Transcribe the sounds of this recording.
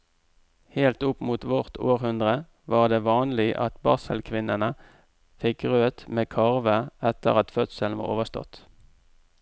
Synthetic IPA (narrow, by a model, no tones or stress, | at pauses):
heːlt̪ʊpmuːt̪ʋɔʁt̪ʰoːʁhʉnd̪ʁə | ʋɑːʁd̪eːʋɑːnlɪʔɑ̰t̪bɑ̰ːsəlkʰʋɪnənə | fɪkʁøːt̪meːkʰɑʁʋəɛt̪ə̰ʁɑt̪fœt̪səlnʋɑ̰ːʁo̰ːʋəst̪ɔ̰t̪